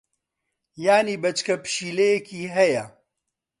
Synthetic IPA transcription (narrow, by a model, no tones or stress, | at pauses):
jaːniːbɐt͡ʃkʰɐpɨ̥ʃiːlejekʰiːɦɛjɐ